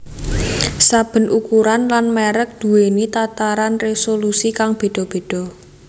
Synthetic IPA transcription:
sab̥ə̤nʔukuɾanlanmɛɾək̚d̪̥ṳwenit̪at̪aɾanresolusikaŋb̥e̤d̥ɔ̤b̥e̤d̥ɔ̤

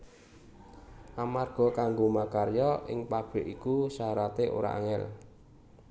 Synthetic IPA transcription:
ʔamarɡ̥ɔ̤kaŋɡomakarjɔʔɪ̰ŋpab̥ɪʔikusaɾat̪eʔo̰ɾa̰ʔa̰ŋɛ̰l

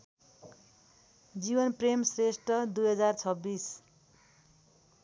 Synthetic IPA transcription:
d͡zibʌnpremsresʈʌd̪ujɦʌd͡zart͡sʰʌbːis

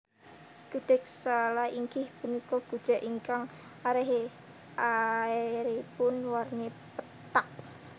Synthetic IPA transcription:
ɡ̥əd̪̥ɛ̤k̚salaiŋɡɪhb̥ənikɔɡ̥ṳ̥d͡ʒ̥a̤ʔiŋkaŋ | aɾeɦe | ʔaeɾepʊnwarnepə | t̪ak̚

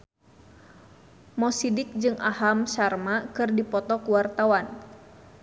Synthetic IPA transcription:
mɔsidɪk̚d͡ʒɨŋʔahamsarmakɨrdipɔt̪ɔkuwart̪awan

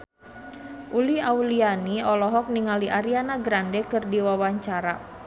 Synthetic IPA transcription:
ʔuliaulianiɔlɔɦɔk̚niŋaliʔaɾianaɡɾandɛkɨrdiwawaɲt͡ʃaɾa

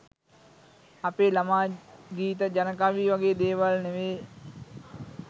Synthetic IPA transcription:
ɐpeːlɐmaːɡiːt̪əd͡ʒɐnəkaːʋiːʋɐɡeːd̪eːʋəlneʋeː

